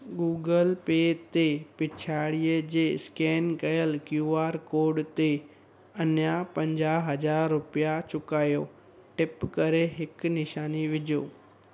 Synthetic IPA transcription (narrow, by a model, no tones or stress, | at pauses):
ɡuːɡəlpeːt̪epɪt͡ɕʰaːɽijəd͡ʑeːskɛːnkɐjəlkjuːaːɾkoːɾɖt̪e | ɐnjapɐ̃ɲd͡ʑaːɦɐd͡ʑaːɾːʊpijat͡ɕʊkaːjoː | ʈɪpkɐɾeɦɪknɪʃaːniʋɪd͡ʑʱoː